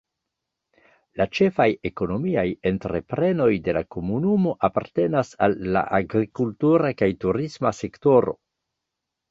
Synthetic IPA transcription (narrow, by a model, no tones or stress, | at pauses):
lat͡ʃe̞fajeko̞no̞miaje̞ntɾe̞pɾe̞no̞jde̞lako̞munumo̞ʔapa̰ɾte̞nasalːa̰ʔaɡɾikultuɾakajtuɾismase̞kto̞ɾo̞̰